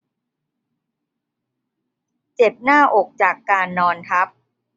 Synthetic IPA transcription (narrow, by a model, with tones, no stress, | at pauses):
t͡ɕe˨˩p̚naː˥˩ʔo˨˩k̚t͡ɕaː˨˩kːaː˧nːɔː˧nt̪ʰa˦˥p̚